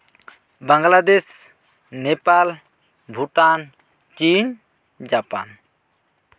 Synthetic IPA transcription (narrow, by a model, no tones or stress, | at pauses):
bãŋɡlad̪ɛs | nɛpal | bʱuʈan | t͡ʃin | d͡ʒapa̰n